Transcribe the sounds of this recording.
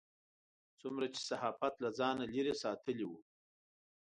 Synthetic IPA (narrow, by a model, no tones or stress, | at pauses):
t͡sumɾat͡ʃe̥sahɑfat̪lad͡zɑnaliɾesɑt̪əliwu